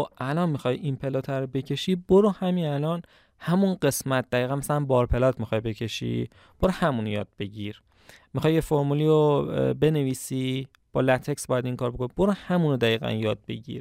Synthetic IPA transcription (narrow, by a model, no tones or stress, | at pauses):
oʔælɒnmixɒjʔinpʰe̞lot̪ʰæɾobe̞cʰe̞ʃiːboɾohæminælɒn | hæmunɢe̞smæt̪̚d̪̥æiːɣænmæsælænbɒːɾpʰe̞lɒːt̪ʰmixɒjbe̞cʰe̞ʃḭː | b̥oɾohæmuːnojɒ̰ːd̪̚be̞ɟiɾ | mixɒjːefoɾmuliobe̞neviːsiː | b̥ɒːlæt̪ʰeksbɒjæd̪iŋkʰɒːɾbo̞kʰonib̥oɾohæmuːnod̪æiːɣæ̰njɒːd̪̚be̞̰ɟḭːɾ